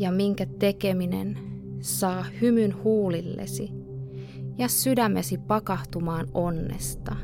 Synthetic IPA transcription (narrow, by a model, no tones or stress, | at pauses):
jɑmiŋkæt̪e̞ke̞mine̞̰nsɑːhymynhuːlilːḛsi | jɑsydæmːesipɑkɑht̪umɑːno̞nːe̞̰st̪ɑ